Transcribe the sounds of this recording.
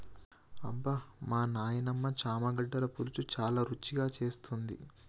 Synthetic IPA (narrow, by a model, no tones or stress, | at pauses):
ɐ̰bːɐmaːnaːjɐnɐmːɐt͡ʃaːmɐɡɐɖːɐlɐpulut͡ʃut͡ʃaːlaːɾut͡ʃːiɡaːt͡ʃe̞ːst̪und̪ḭ